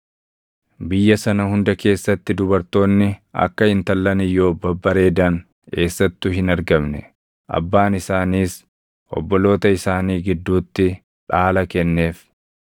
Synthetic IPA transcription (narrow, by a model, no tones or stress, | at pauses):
bɪjːɐsɐnɐhʊnd̪ɐke̞ːsːɐt̪ːɪd̪ʊbɐɾt̪o̞ːnːɪɐ̰kːɐɪnt̪ɐlːɐnɪjːo̞ːbɐbːɐɾe̞ːd̪ɐn | ke̞ːsːɐt̪ːʊɦɪnɐɾɡɐmnɛ | ʔɐ̰bːaːnɪsaːniːs | ʔɔ̰bːɔlo̞ːt̪ɐɪsaːniːɡɪd̪ːuːt̪ːɪ | ᶑaːlɐkɛnːe̞ːf